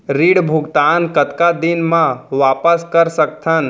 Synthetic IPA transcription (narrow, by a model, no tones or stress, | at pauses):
ɾiɽbʱʊɡt̪aːnkət̪kad̪ɪnmãʋaːpəskəɾsək̚t̪ʰən